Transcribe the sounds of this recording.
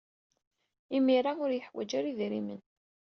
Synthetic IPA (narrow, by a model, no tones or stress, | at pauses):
imiɾaʊɾjəħwæ̰d͡ʒaɾiðɾimən